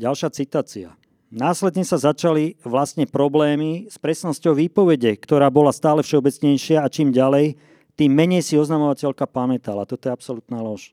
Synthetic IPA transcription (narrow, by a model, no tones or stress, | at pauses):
ɟalʃɪat͡sit̪aːt͡sia̰ | naːslɛd̪ɲɛsazat͡ʃaliʋlasɲɛpɾɔblɛːmispɾɛsnɔscɔʊʋiːpɔʋɛɟɛkt̪ɔɾaːbɔlast̪aːlɛfʃɛɔbɛt͡sɲɛjʃɪaːt͡ʃiːmɟalɛj | t̪iːmːɛɲɛjsiɔznamɔʋacɛlkapamɛt̪alat̪ɔt̪ɔjɛapsɔlut̪naːlɔʃ